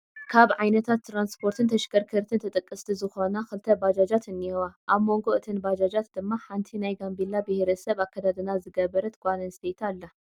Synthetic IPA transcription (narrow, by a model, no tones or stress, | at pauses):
kʰaβʕajnɐt̪ʰat̪ːɾanspʰo̞ɾt̪ʰɨnt̪ʰɐʃkɐɾkʰɨɾt̪ʰɨnt̪ʰɨt̪ʼɨkʼːɨst̪ʰizɨxo̞naxɨlt̪ʰɐbad͡ʒad͡ʒat̪ɨniwaʔaβmo̞ŋɡo̞ʔɨt̪ʰɨnbad͡ʒad͡ʒat̪d̪ɨmːaħant̪ʰinajɡambilːabɨhɾɐsɐβakʰːɐd̪ad̪ɨnazɨɡɐβɐɾɐt̪ɡ̥ʷanɐnst̪ʰet̪ʰalːa